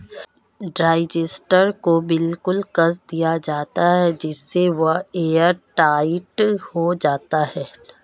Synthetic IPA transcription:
ɖɾaːɪd͡ʒɪsʈəɾkobɪlkʊlkɐs̬d̪ijad͡ʒaːt̪aɦɛd͡ʒɪsːeʋɐɦeːəɾʈaːɪʈhod͡ʒaːt̪aɦɛː

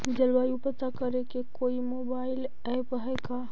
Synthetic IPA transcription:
d͡ʒəlwajupət̪akəɾekekoimobail | ɛjpəɦɛka

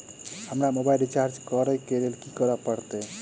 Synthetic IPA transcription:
həmɾamobailit͡ʃaɾd͡ʒkəɾəjkelelkikəɾəpəɾt̪e

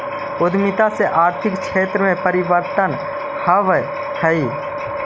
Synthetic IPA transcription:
ʊd̪ʱmɪt̪aseʔaːɾt̪ʰɪkʃʰeːt̪ɾəmẽpəɾɪʋəɾt̪ən | həʋə | tʰɐi

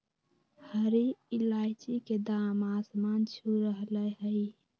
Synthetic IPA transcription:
həɾiilajt͡ʃiked̪amasmant͡ʃʰuɾəɦləɦəj

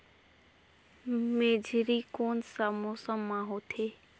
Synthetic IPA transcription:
meːd͡ʒʱɾiːkoːnsamoːsəmːãːɦoːt̪ʰeː

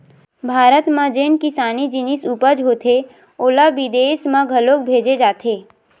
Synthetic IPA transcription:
bʱaːɾət̪mãd͡ʒeːnkɪsaːnid͡ʒɪnisuːpəd͡ʒɦoːt̪ʰe | oːlaʋid̪eːsmãɡʱəloːk̚bʱeːd͡ʒed͡ʒaːt̪ʰeː

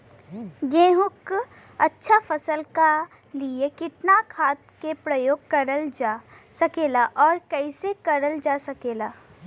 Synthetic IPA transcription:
ɡẽːɦʊk | ɐtːʃʰafɐsəlka | liekɪt̪nakʰaːt̪kepɾɐjoːɡ̚kɐɾəld͡ʒsɐkeːlaʔɔːɾkɛːɪsekɐɾəld͡ʒaːsɐkeːlaː

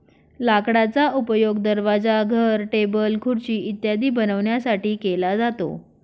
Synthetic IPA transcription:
lakɽat͡saupəjoɡd̪əɾʋad͡zaɡʱəɾʈebəlkʰuɽt͡ɕiːʔit̪jad̪iːbənəʋɳjasaʈiːkelad͡zat̪o̰

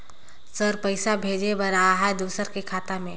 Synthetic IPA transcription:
səɾpəɪsabʱeːd͡ʒebəɾaːɦɛd̪uːsəɾkekʰaːt̪amẽː

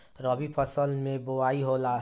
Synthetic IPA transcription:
ɾʌbipʰʌsʌlmebowaiɦola

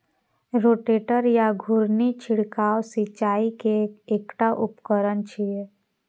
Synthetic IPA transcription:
ɾoːʈeːʈəɾjaɡʱʊɾnit͡ʃʰɪɽkaːwsit͡ʃaːikeeːkʈaʔʊpkəɾənt͡ʃʰie

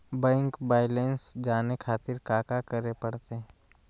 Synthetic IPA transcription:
bɛ̃ːŋkbaːɪlensd͡ʒaːnekʰaːt̪ɪɾkaːkakəɾepɐɽt̪eɦɛ

